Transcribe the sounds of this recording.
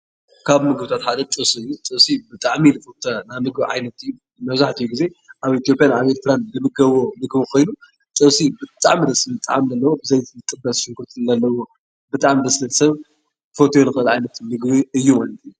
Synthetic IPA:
kʰaβmɨɡβɨt̪ʰat̪ħad̪ɐt̪ʼɨβsiɨjːut̪ʼɨβsibɨt̪ʼaʕmilɨfot̪ʰanamɨɡbʕa̰jnɐt̪ɨjːu | mɐβzaħt̪ʰɨjːuɡize̞ʔaβit̪jo̞pʼjanaβeɾt̪ɨɾandɨmɨɡɐβo̞nɨɡβkʰo̞jnu | t̪ʼɨβsibɨt̪ʼa̰ʕmid̪ɐsɨɨt̪ʼaʕamdɐlːɐwobɨzɐjzɨt̪ʼɨbːɐsʃɨŋɡɨɾt̪ʰɨlɐlːɐwo | bɨt̪ʼaʕmid̪ɐslɐt̪sɐβ | fo̞t̪ʰolɨxʼɨlʕajnɐt̪mɨɡβiɨjːumalɐt̪ʰiju

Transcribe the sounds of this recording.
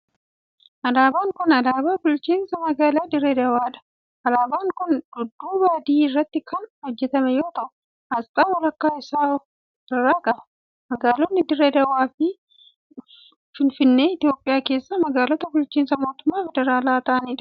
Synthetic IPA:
ʔɐlaːbaːŋkʊnɐlaːbaːbʊlt͡ʃiːnsɐmɐɡaːlaːd̪ɪɾɛd̪ɐwaːᶑɐ̥ | ʔɐlaːbaːŋkʊndʊd̪ːuːbaːd̪iːɪrːɐt̪ːɪkʰɐnhɔd͡ʒːɛt̪ɐmɛjoːt̪ɐʔʊ | ɐst̪ʼaːwɐlɐkːaːɪsaː | ɪrːaːkʼɐbɐ̥ | mɐɡaːlɔnːɪd̪ɪɾːɛd̪ɐwaːfɪ | fɪnfɪnːe̞ːɪt̪jo̞ːpʼːɪjaːke̞ːsːaːmɐɡaːlɔt̪ɐbʊlt͡ʃiːnsɐmo̞ːt̪ʊmːaːfɛd̪ɛɾaːlaːt̪aʔɐniːᶑɐ̥

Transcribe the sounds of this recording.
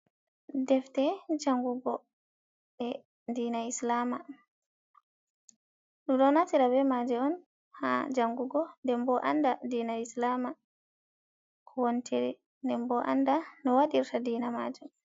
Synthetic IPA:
dɛftɛd͡ʒaŋɡuɡɔ | ɗɛ | diːnaislama | ɗumɗɔnatiɾabɛmad͡ʒɛɔn | ha̰d͡ʒaŋɡuɡɔndɛmbɔʔa̰ndadiːnaislama | kʰɔwontʰiɾḭ | ndɛmbɔʔa̰ndanɔwaɗiɾtadiːnama̰d͡ʒum

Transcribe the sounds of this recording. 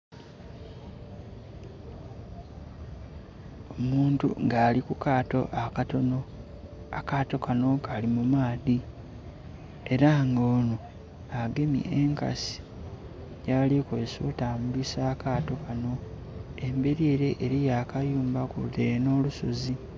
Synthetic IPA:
omuːntṵŋɡaːlikukaːto̞ʔakato̞no̞ | akaːto̞kʰano̞kalimumaːði | e̞ɾaŋɡoːno | aɡe̞mḭʔeŋka̰si̥ | ɟaːlikwe̞ːso̰taːmulisaːkaːto̞kano̞ | e̞mbe̞ɾieɾe̞ʔːɾijaːkajuːmbakṵðeno̞ːluso̞zi

